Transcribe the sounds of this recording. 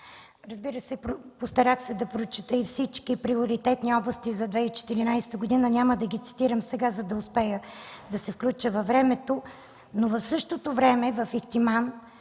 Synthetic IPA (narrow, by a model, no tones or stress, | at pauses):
ɾɐzbiɾəsɛpɾpost̪ɐɾaxsɛd̪ɐpɾot͡ʃit̪əifsit͡ʃkipɾioɾit̪ɛt̪niɔblˠɐst̪izɐd̪vɛit͡ʃɛ̥t̪iɾinajsɛ̥t̪əɡod̪inənʲaməd̪ɐɡit̪si̥t̪iɾəmsɛɡazɐd̪ɐʊspɛjəd̪ɐsɛfklʲut͡ʃəvɐvɾɛmɛt̪o | novɐfsɤʃt̪ot̪ovɾɛmɛvɐfikt̪iman